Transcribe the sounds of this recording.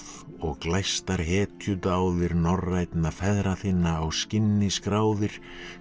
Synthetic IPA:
ɔɣklajst̪aɾ̥ɦɛːt̪ʰjʏt̪aːwðɪɾnɔrajt̪nafɛðɾaθɪnːaːwscɪnːɪskɾaːwðɪɾ̥

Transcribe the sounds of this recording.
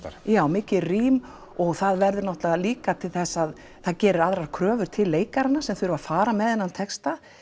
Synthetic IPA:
jaːwmɪːcɪriːm | ɔɣθaðvɛɾðʏɾnɔht̪laaliːkat̪ʰɪlθɛsːað | θaðcɛːɾʏɾaðɾaɾkʰɾœːvʏɾ̥t̪ʰɪlːeːjkaɾanːasɛmθʏɾʏvafaːɾamɛðɛnːant̪ʰɛkst̪a

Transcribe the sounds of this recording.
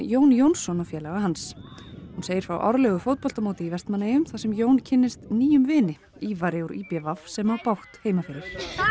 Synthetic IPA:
joːwnjownsɔnafjɛːlaɣahanshunseːjɪɾfɾa̰wʔɔ̰ɾlɛɣʏfowt̪̚pɔl̥t̪amoːwt̪ɪivɛst̪manejʏmθasɛmjoːwncʰɪnːɪst̪niːjʏmvɪːnɪ | iːvaɾɪuɾʔiːpjɛvafsɛmhawpawht̪heːjmafɪːɾɪɾ̥

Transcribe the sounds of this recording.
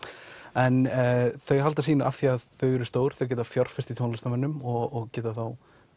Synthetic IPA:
ɛnθœɥɦalt̪as̬iːnʏa̰θiaðθœɥɛɾʏst̪oːwɾ̥θœɥc̬ɛːt̪afjɔɾ̥fɪ̥st̪it̪ʰoːnlst̪amɛnːʏmɔɣɔɣcɛːt̪aθaw

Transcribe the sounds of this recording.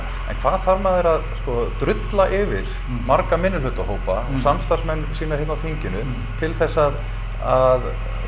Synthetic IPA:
ɛ̰nkʰvaːðθaɾmaːðɛɾaðskɔt̪ɾʏt̪laʔɪvɪɾ̥ | maɾkamɪnːɪlʏːt̪aɦoːwpaɔɣsamst̪arsmɛnːsiːnahet̪nawθeɲcɪnʏ | t̪ʰɪlθɛsːað | að

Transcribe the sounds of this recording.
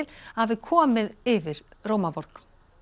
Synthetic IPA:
lhavɪkʰɔːmɪðɪvɪɾ̥roːwmavɔɾk

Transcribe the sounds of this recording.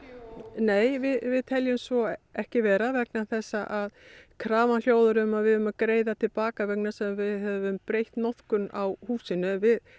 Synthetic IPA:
neːjvɪðvɪðt̪ʰɛljʏmsvɔɛhcɪvɛːɾavɛknaθɛsːaʔaðkʰɾaːvanljoːwðʏɾʏmaðvɪðʏmakɾeːjðat̪ʰɪlpaːkavɛk̚nḁsɛmvɪðɦɛvʏmpɾejht̪nɔθkʏnawhuːsɪnːʏvɪð

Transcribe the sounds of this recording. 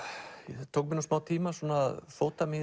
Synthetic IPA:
t̪ʰoːkmɪnusmaːwt̪ʰiːmasɔnːaðfoːt̪amɪ

